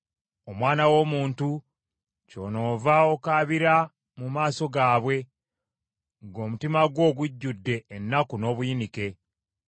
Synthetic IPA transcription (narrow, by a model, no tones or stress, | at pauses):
omwaːnawo̞ːmuːntu | co̞̰ːno̞ːvao̞kaːβiɾa | mumaːso̞ɡaːβwe̞ | ŋɡo̞ːmutimaɡwo̞ːɡuɟːudːe̞ːnːakuno̞ːβujinike̞